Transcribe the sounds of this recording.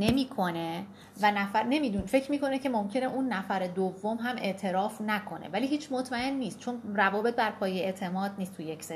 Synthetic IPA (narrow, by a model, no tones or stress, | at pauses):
ne̞miːkʰo̞ne̞ | vænæfæɾne̞mid̪unfe̞cʰɾmiːko̞necʰe̞momcʰe̞neʔunːæfæɾe̞d̪ovːo̞mɦæmʔe̞̰ʔt̪ʰe̞ɾɒːfnækʰo̞nḛvæliːɦiːt͡ʃʰmot̪ʰmæe̞nːiːst̪̚t͡ʃʰo̞nrævɒːbe̞t̪̚bæɾpʰɒːjeet̪ʰe̞mɒːd̪̚niːst̪ʰujeksei